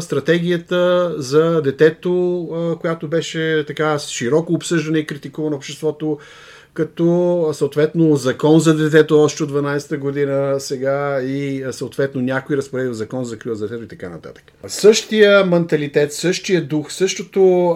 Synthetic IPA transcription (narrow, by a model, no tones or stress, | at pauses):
st̪ɾɐt̪ɛɡ̟ʲijət̪əzɐd̪ɛt̪ɛt̪okojat̪obɛʃɛt̪ɐkaʃiɾɔkoːpsɤʒd̪ɐnɛikɾit̪ikuvɐnopʃt̪ɛst̪vɔt̪o | kɐt̪ɔsəoʊt̪vɛt̪nozɐkɔnzɐd̪ɛt̪̬ɛt̪oɔʃt̪ɛod̪vɐnajsɛ̥t̪əɡod̪inəsɛɡaisəʊt̪vɛt̪nonʲakoiɾəspoɾɛd̪ilˠzɐkɔnzɐkɾiəzd̪ɛt̪ɛt̪oit̪ɐka̰nɐ̰t̪a̰t̪ə̥kə̥sɤʃt̪ijəmɛnt̪ɐlit̪ɛt̪sɤʃt̪ijəd̪uxsɤʃt̪ot̪o